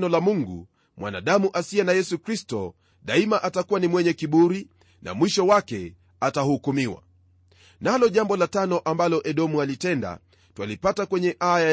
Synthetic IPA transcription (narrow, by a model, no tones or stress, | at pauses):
nɔlamuŋɡṵ | mwa̰na̰ɗamuʔasiɛnajɛsukɾistɔ̰ | ɗaimaʔatakuwanimwɛɲɛkiɓuɾi | na̰mwiʃɔwakɛ | atahukumiwa̰ | nalɔʄambɔlatanɔʔambalɔʔɛɗɔmualitɛnda̰ | twalipatakwɛɲɛʔaja